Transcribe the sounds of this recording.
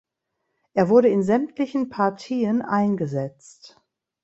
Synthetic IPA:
ʔeːɐvʊɐɾəɪnzɛmtlɪçn̩pʰaɐtʰiːənʔa̰ɪnɡəzɛt͡st

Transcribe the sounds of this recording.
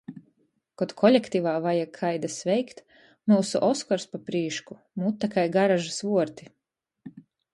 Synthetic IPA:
kɔd̪kʰɔlʲekt̪ivaːvajakʰajd̪asvɛjkt̪ | muːsṵʔɔskɔɾspapɾiːʃku̥ | mut̪ːakajɡaɾaʒasvuɔɾt̪i̥

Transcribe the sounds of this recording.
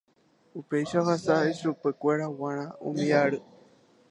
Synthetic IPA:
upe̞jʃahasaiʃupekʷe̞ɾawãɾ̃ãṵ̃mĩaɾɨ

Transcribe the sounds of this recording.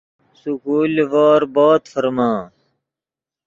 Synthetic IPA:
sukuːlʋaːɾbaːt̪fɐɾmãː

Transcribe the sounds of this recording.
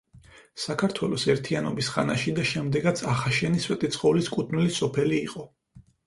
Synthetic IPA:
sakʰaɾt̪ʰwɛlˠɔsɛɾt̪ʰianɔbisχa̰naʃid̪aʃɛmd̪ɛɡat̪sʰaχaʃɛniswɛt̪ʼit̪sʰχɔliskʼut̪ʰnilisɔpʰɛliːqʼɔ

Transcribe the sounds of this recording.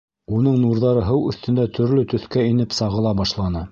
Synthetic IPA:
unɤɴnuɾðɑɾɤɦɤwɵ̆θt̪ɵ̆nd̪æt̪ʰɵ̆ɾlɵt̪ɵ̆θkæinɘpsɑʁɤ̆lˠɑbɑʃlˠɑnɤ

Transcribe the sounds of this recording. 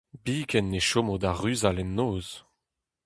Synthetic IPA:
biːkʰɛnːeʃomod̪aʁyzalɛnːoːz

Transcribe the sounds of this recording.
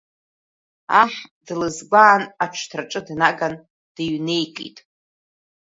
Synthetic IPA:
aħdlɨzbʷaːnaʈ͡ʂʷʰtʰraʈ͡ʂʼɨdnaɡan | d̥iɥnejkʼḭtʼ

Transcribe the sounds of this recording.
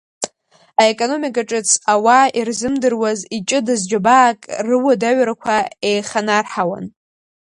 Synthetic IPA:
aekʼono̞mikʼaʈ͡ʂʼɨt͡sʰawairzɨmdɨrwazit͡ʃʼɨdɨzd͡ʒabaːkʼrɨwadaɥɾakʷʰaejχanarħawa̰n

